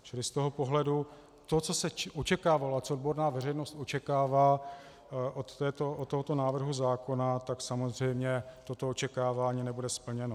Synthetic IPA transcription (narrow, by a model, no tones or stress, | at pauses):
t͡ʃɪlɪst̪oɦopo̞ɦlɛdu | t̪o̞t͡so̞sɛʔo̞t͡ʃɛkaːvaloat͡sood̪bo̞ɾnaːvɛrɛjnost̪ʔo̞t͡ʃɛkaːvaː | ʔot̪ːɛːt̪oʔot̪ːoɦot̪o̞naːvr̩ɦuzaːko̞nat̪aksamozr̝ɛjmɲɛt̪o̞t̪o̞ot͡ʃɛkaːvaːɲiːnɛbudɛspl̩ɲɛno